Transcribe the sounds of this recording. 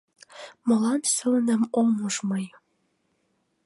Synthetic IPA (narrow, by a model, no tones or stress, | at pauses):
mɤ̆lɑnsəlnə̆momoʒmɤj